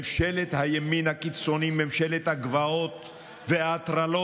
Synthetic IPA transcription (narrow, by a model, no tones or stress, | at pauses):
mʃelet̪hajeminhakit͡sonimemʃelet̪haɡvaot̪ | veat̪ɾalo